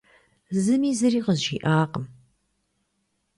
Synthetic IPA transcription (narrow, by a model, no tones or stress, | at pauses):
zɨmiːzɨɾiːqəzʒḭːʔaːqəm